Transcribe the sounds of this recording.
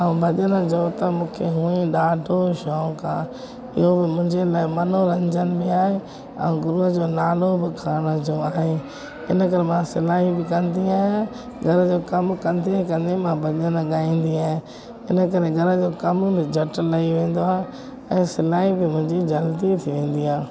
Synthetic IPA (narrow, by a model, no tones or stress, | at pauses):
aːũbʱɐʄənəd͡ʑɐot̪ɐmũːkʰeɦũːĩɗaːɖʱoʃɔːkʰãː | ɪ̰ɦobɪmʊ̃ɦɪ̃ɲd͡ʑelaːɪmɐnoɾɐ̃ɲd͡ʑənɪ̆bɪaːɦe | ɛ̰̃ũɡʊɾuɦəd͡ʑoːnaːlobɪkʰaːɽ̃əd͡ʑoaːɦe | ɪnəkɐɾemãsɪlaːɦibɪkɐ̃nd̪iaːɦɪã | ɡʱɐɾəd͡ʑoːkɐmkɐ̃nd̪ekɐ̃nd̪emãbɐɲənɠaːĩːn̆d̪iaːɦẽ | ɪnə̆kɐɾeɡʱɐɾəd͡ʑoːkɐmbɪd͡ʑʱɐʈlɐiʋẽːn̆d̪oɦã | ɛ̃ːsɪlaːɦibɪmʊ̃ɦɪ̃ɲd͡ʑid͡ʑɐlt̪it̪ʰiʋẽːn̆d̪iɦãː